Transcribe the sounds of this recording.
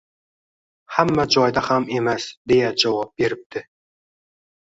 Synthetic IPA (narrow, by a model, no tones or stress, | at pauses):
hamːæd͡ʒɒjd̪ahame̞mæsd̪ejad͡ʒawɒp̚be̞ɾɪp̚t̪ʰɪ